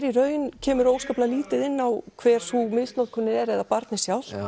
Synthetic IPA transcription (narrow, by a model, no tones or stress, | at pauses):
ɾiɾœːɥjɪncʰɛːmʏɾowskaplaliːt̪ɪðɪnːawkʰvɛːɾ̥sumɪst̪nɔkʰʏnːɪɛɾɛðapaɾt̪nɪsjaːwl̥